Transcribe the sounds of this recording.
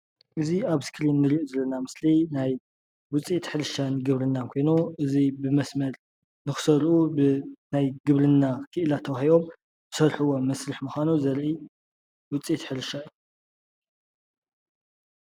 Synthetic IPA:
ʔɨziaβskʰɾinːɨɾiʔuzɐlːɐnamɨslinaj | wʊt͡sʼit̪ħɨlɨʃanɨɡɨβɾɨnːakʰo̞jnuʔɨzibɨmɐsmɐɾ | nɨxɨ̥sɐɾʔubɨnajɡɨβɾɨnːakʰɨʔɨlat̪ʰɐwahiβo̞m | b̥ɨ̥sɐɾħɨwo̞mɐsɾɨħmuxʷanuzɐɾʔi | wʊt͡sʼit̪ħɨɾɨʃaju

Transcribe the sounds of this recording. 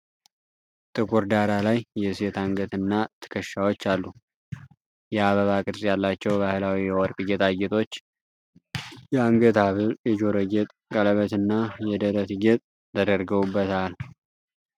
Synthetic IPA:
t̪ʼɨkʼuɾd̪aɾalajːɛset̪ʰaŋɡət̪ɨnːat̪ʰɨ̥kʰəʃːawo̞t͡ʃːalːu | jɛaβəβakʼɨɾsʼjalːat͡ʃːɛwbahɨlawijɛwɔɾkʼɨɡɛt̪ʰʼaɡet̪ʰʼo̞t͡ʃː | jɛaŋɡət̪ʰaβɨjɛd͡ʒoɾəɡɛt̪ʼkʼələβət̪ɨnːajɛd̪əɾət̪ʰɨɡɛt̪ʼ | t̪ʰəd̪əɾɡəβubːət̪ʰal

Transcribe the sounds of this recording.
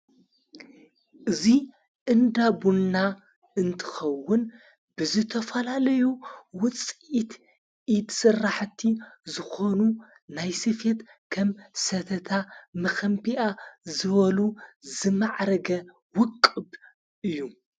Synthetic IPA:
ʔɨzi | ʔɨnd̪abunːa | ɨnt̪ʰɨ̥xɐwːʊn | b̥ɨzɨt̪ʰɐfɐlalɐjuwʊt͡sʼit̪ | ʔid̪sɨrːaħt̪ʰːizɨxo̞nu | najsɨfet̪ | kʰɐmsɐt̪ʰɐt̪ʰamɐxɐmbiʔazɨβɐluzɨmaʕɾɐɡɐ | wʊkʼːɨb | ʔɨjːu

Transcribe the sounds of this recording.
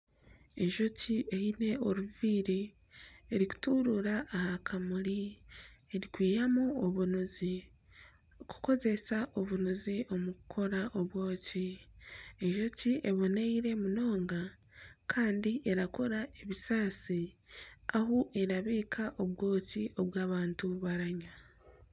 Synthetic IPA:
e̞ʒo̞cʰie̞hine̞o̞ɾuviːɾeː | ɾiku̥tuɾuɾaʔːhakʰamuɾi | eɾikwiːjamuːβunuzi | ku̥ko̞ze̞saʔoβunuziʔo̞mukʰo̞ɾaʔoβwo̞ːci | eʒo̞ciʔeβo̞neiɾe̞muno̞ːŋɡa | kʰaːndiʔe̞ɾako̞ɾae̞βisaːsi | ahuʔe̞ɾaβiːkʰaʔoβwo̞ːcio̞βwaːβaːntuβaɾaɲa

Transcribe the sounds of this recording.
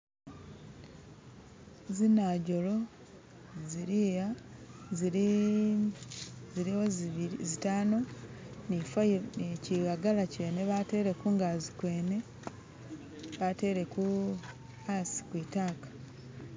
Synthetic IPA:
zinaɟo̞lo̞ | ziɾiːjaziɾi | ziɾiwozitaːno̞nifaniciɣaɡalace̞ːne̞βate̞ːɾe̞kuːŋɡaːzi̥kwe̞ːne̞ | βate̞ːɾe̞ku | asi̥kwiːtaːkḁ

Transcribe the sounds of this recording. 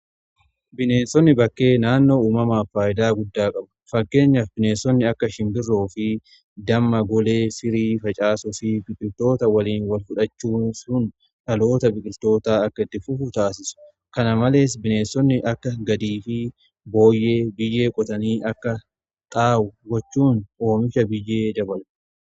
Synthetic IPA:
bɪne̞ːsɔnːɪbɐkːe̞ːnaːnːo̞ːuːmɐmɐːfaːʔɪd̪aːɡʊd̪ːaːkʼɐbɐ̥fɐkːe̞ːɲːɐfbɪne̞ːsɔnːɪɐkːɐʃɪmbɪrːoːfɪ | d̪ɐmːɐɡɔle̞ːsɪɾiːfɐt͡ʃʼaːsʊfɪbɪkʼɪlt̪o̞ːt̪ɐwɐliːnwɐlfʊᶑɐt͡ʃːuːsʊn | ᶑɐlo̞ːt̪ɐbɪkʼɪlt̪o̞ːt̪aːɐkːɐɪt̪ːɪfʊfʊt̪aːsɪsʊ̥ | kɐnɐmɐle̞ːs̬bɪne̞ːsːɔnːɪʔɐkːɐɡɐd̪iːfɪ | bo̞ːjːe̞ːbɪjːe̞ːkʼɔt̪ɐniːʔɐkːɐ | t̪ʼaːwʊɡɔt͡ʃːuːno̞ːmɪʃɐbɪjːe̞ːd͡ʒɐbɐl

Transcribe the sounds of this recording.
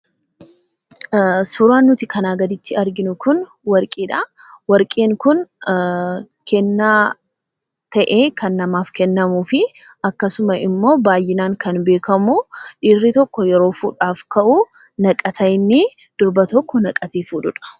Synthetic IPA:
sʊɾaːnːʊt̪ɪkɐnaːɡɐd̪ɪt̪ːɪɐɾɡɪnʊkʊn | wɐɾkʼiːᶑɐ | wɐɾkʼeːŋkʊn | kɛnːaː | t̪ɐʔeːkɐnːɐmaːfkɛnːɐmuːfɪ | ɐkːɐsʊmɐʔɪmːo̞ːbaːjːɪnaːŋkɐnbe̞ːkɐmʊᶑɪrːɪt̪ɔkːɔjɛɾo̞ːfṵːᶑaːfkɐʔuː | nɐkʼɐt̪ʰɐjnːɪ | d̪̥ʊɾbɐt̪ɔkːɔnɐkʼɐt̪eːfuːᶑʊᶑɐ̥

